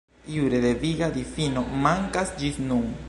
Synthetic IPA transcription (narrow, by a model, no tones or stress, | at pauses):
iwɾe̞d̪e̞viɡad̪ifino̞maŋkasd͡ʒisnun